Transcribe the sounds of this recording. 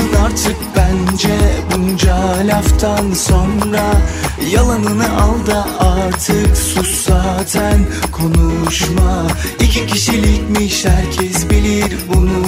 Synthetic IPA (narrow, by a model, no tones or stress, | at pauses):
naɾt̪ʰɯk̚bænd͡ʒɛbund͡ʒalʲaft̪ʰanso̞nɾajalˠanɯnɯʔalˠd̪aaɾt̪ʰɯksuszaːt̪ʰænkʰo̞nuʃmaicʰicʰiʃilʲicmiʃæɾcʰɛzbilʲiɾbunu